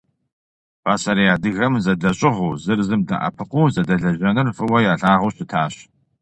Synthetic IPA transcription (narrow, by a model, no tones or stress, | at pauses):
paːsɐɾijaːdɨɣɐmzɐdɐɕʼɪʁuːzɨrzɨmdɨ̰ʔɐ̰pʰɨquːzɐdɐɮɐʒɐnɨrfʼɨwɐjaːɬʼaːʁuɕɪtʰaːɕ